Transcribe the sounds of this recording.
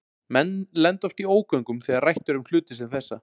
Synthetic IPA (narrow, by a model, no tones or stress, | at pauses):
mɛnːlɛnt̪ɔft̪ioːwkvœŋkʏmθɛɣaɾrajht̪ʏɾʏml̥ʏːt̪ɪsɛnθɛsːa